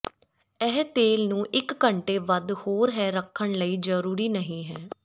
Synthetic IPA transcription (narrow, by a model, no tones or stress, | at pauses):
ɛːɦt̪eːlnũːʔɪkːəɳʈeːʋəd̪hoːɾɦɛːɾəkʰːəɳləiːd͡ʒəɾuːɾiːnəɦĩːɦɛː